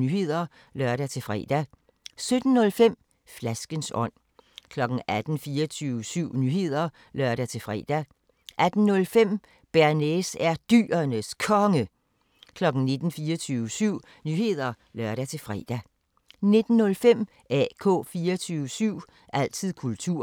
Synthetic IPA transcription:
yhe̝ð̰ˠɐ | lɶɐɾ̥æt͡sʰe̝fʁɛ̰ːd̥æ | sød̥n̩nɔ̽lfem̰ | flæsɡ̥ənsɒ̽n̰ | kʰlɒ̽ɡ̥n̩æd̥n̩fiːɐt͡sʰyːʊəsyʊ̰nyːhe̝ð̞̰ˠɐ | lɶɐ̰ɾæt͡sʰe̝fʁɛ̰ːd̥æ | ʔæd̥n̩nɔ̽lfem̰ | b̥æɐnesæɐd̥y̰ːɐnəskʰɒ̽ŋə | kʰlɒ̽ɡ̥n̩ne̝d̥n̩fiːɐt͡sʰyːʊəsyʊ̰ | nyːhe̝ð̞̰ˠɐ | lɶɐɾ̥æt͡sʰe̝fʁɛ̰d̥æ | ne̝d̥n̩ːɔ̽lfem̰ | ʔɛ̰ːkʰɔ̰̽ːfiːɐt͡sʰyːʊəsyʊ̰ | ʔæl̰t͡sʰið̰ˠkʰult͡sʰuɐ̰

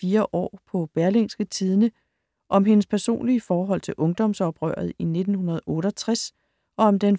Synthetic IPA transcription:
iːɐʔɒ̰ːpʰɒ̽b̥æɐlensɡ̥ət͡sʰiːðˠnə | ʔɒ̽mɦe̝nəspʰæɐso̝̰ːnliəfɒːɦɒ̽l̰t͡sʰe̝lʔɔ̽ŋd̥ɒ̽msɒ̽b̥ʁœ̰ːɐð̞̩ˠine̝d̥n̩hunɐð̞̩ˠɔ̽ːɾəɒt͡sʰʁas | ʔɒ̽ɒ̽md̥en

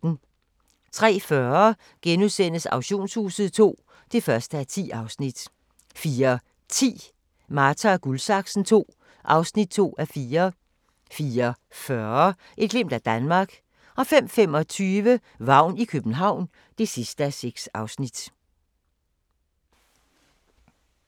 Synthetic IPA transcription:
n̩ | t͡sʰʁɛ̰ːfɶɐ | ɡ̥enuðˠsen̰əsɑ̈ʊɕo̝̰ːnshṵːsð̞̩ˠt͡sʰo̝̰ː | d̥e̝fɶɐsd̥əæt͡sʰḭːɑ̈ʊsnid̥ | fiːɐ | t͡sʰḭː | mɑːt͡sʰɐɡ̥ulsɑ̈ɡ̥sn̩t͡sʰo̝̰ː | ʔɑ̈ʊsnid̥̚t͡sʰo̝̰ːæfiːɐ | fiːɐ | fɶɐ | ʔe̝d̥ɡ̥lem̰d̥æd̥ænmɑ̈ːɡ̥ | ɒ̽fem̰fem̰ɒ̽t͡sʰyːʋə | ʋɑ̈ʊ̰nikʰøb̥n̩ɦɑ̈ʊ̰n | d̥e̝sisd̥əæseɡ̥sɑ̈ʊsnid̥

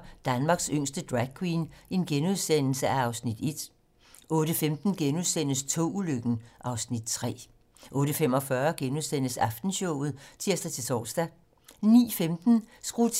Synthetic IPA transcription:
d̥ænmɑ̈ɡ̥søŋ̰sd̥əd̥ʁæɡ̥̚kʰwiːne̝nɡ̥enuð̞ˠsen̰l̩səæɑ̈ʊsnid̥e̝d̥ | ʔɔ̽ːɾ̥əfemd̥n̩ɡ̥enuðˠsen̰əst͡sʰo̰uløɡ̥n̩ʔɑ̈ʊsnid̥̚t͡sʰʁɛ̰ː | ʔɔ̽ːɾ̥əfemɒ̽fɶɐɡ̥enuð̞ˠsen̰əsɑ̈fd̥n̩ɕɔʊ̰ð̞̩ˠt͡sʰiɐ̰sd̥æt͡sʰe̝lsɒ̰ːsd̥æ | nḭːfemd̥n̩sɡ̥ʁut͡sʰ

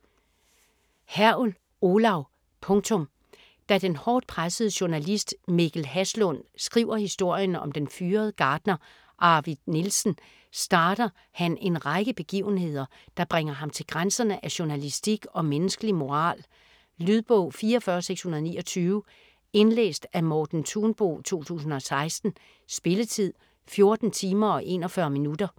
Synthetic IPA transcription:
hæɐul | o̝lɑ̈ʊ | pʰɔ̽ŋt͡sʰɔ̽m | d̥æd̥enhɒːd̥̚pʰʁasəð̩ˠəɕunælisd̥miɡ̥l̩hæslɔn̰sɡ̥ʁḭːʊ̰ɐhisd̥o̝ɐ̰jənɒ̽md̥enfyːɐð̞̩ˠəɡ̥ɑ̈ːd̥nɐ | ʔɑ̈ʋid̥nilsn̩ | sd̥ɑ̈ːd̥ɐ | hæne̝nʁɑɪɡ̥əb̥e̝ɡ̥ḭʊn̩ɦe̝ð̞̰ˠɐ | d̥ɑ̈b̥ʁeŋ̰ɐɦɑ̈mt͡sʰe̝lɡ̥ʁansɐnəʔæɕonælisd̥iɡ̥ɒ̽menəsɡ̥əlimo̝ʁɑ̰̈ːl | lyðˠb̥ɔʊ̰fiːɐfɶɐseɡ̥shunɐð̞ˠnḭːɒ̽t͡sʰyːʊə | e̝nlḛːsd̥æmɒːd̥n̩t͡sʰuːnb̥o̝̰ːt͡sʰo̝̰ːt͡sʰṵːsn̩ɒ̽sɑ̈ɪsd̥n̩ | sb̥e̝lət͡sʰið̰ˠ | fjo̝ɐd̥n̩t͡sʰiːmɐɒ̽ʔe̝̰ːnɒ̽fɶːɐminud̥ɐ

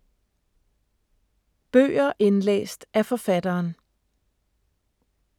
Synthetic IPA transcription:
b̥ø̰ːɐʔe̝nlḛːsd̥æɐfɒ̽fæd̥ɐːn

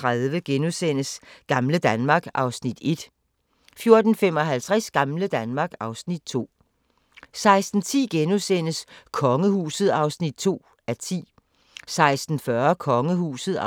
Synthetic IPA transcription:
ʁaðˠʋəɡ̥enusen̰əsɡ̥ɑ̈mləd̥ænmɑ̈ːɡ̥ʔɑ̈ʊsnid̥e̝d̥ | fjo̝ɐd̥n̩fem̰ɒ̽ɦælt͡sʰʁɛsɡ̥ɑ̈mləd̥ænmɑ̈ːɡ̥ɑ̈ʊsnid̥̚t͡sʰo̝̰ː | sɑ̈ɪsd̥n̩t͡sʰḭːɡ̥enusen̰əskʰɒ̽ŋəhuːsð̞̩ˠɑ̈ʊsnid̥̚t͡sʰo̝̰ː | æɐt͡sʰḭː | sɑ̈ɪsd̥n̩fɶɐkʰɒ̽ŋəhṵːsð̩ˠ

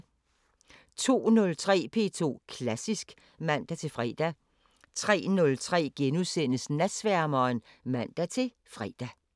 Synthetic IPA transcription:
t͡sʰo̝̰ːnɔ̽lt͡sʰʁɛ̰ːpʰe̝ːt͡sʰo̝̰ːkʰlæsisɡ̥ | mæn̰d̥æt͡sʰe̝fʁɛ̰ːd̥æ | t͡sʰʁɛ̰ːnɔ̽lt͡sʰʁɛ̰ːɡ̥enusenəsnæd̥sʋæɐmɐːn | mæn̰d̥æt͡sʰe̝ | fʁɛ̰d̥æ

